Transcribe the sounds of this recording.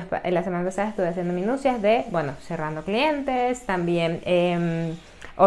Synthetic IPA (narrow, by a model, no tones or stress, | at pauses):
paʔelasemanapasaðaest̪uβjasje̞nd̪omĩnusjazðebwenoserand̪oklient̪est̪ambjenem | o